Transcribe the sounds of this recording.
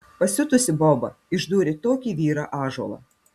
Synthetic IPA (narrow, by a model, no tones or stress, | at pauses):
pɐsʲʊt̪ʊsʲɪbɔːbɐ | ɪʒd̪uːɾʲɪt̪oːkʲiːʋʲiːɾɑːʔɑːʒo̰lˠɑ̰ː